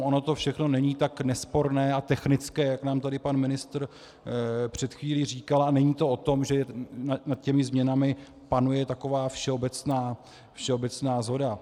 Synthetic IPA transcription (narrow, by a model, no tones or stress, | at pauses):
ʔono̞t̪o̞fʃɛxno̞nɛɲiːt̪aknɛspo̞ɾnɛːat̪ɛxnɪt͡skɛːjaknaːmt̪adɪpanmɪnɪst̪r | pr̝̥ɛt̪xviːliːriːkalanɛɲiːt̪o̞ʔot̪o̞mʒɛnanat̪̚cɛmɪzmɲɛnamɪ | panujɛt̪ako̞vaːfʃɛo̞bɛt͡snaː | fʃɛo̞bɛt͡snaːzɦo̞da